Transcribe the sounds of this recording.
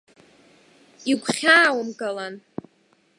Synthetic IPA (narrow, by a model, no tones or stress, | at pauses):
iɡʷʰχʲaːwamɡalan